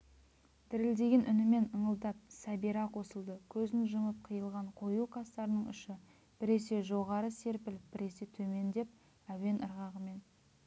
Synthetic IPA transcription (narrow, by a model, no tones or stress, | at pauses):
d̪̥ɪɾɪld̪e̞ɡʲenʔʏnɪme̞nəɴəlˠd̪ɑp̚sæbiɾɑqʰo̞səlˠd̪əkʲʰɵzɪnʒəməp̚qʰəjəlˠʁɑɴqʰo̞juqʰɑst̪ɑɾənəɴʏ̰ʃɪ | b̥ɪɾe̞se̞ʒo̞ʁɑɾəse̞ɾpɪlɪb̥ɪɾe̞se̞t̪ʰɵme̞nd̪e̞p̚ | æwe̞nəɾʁɑʁəme̞n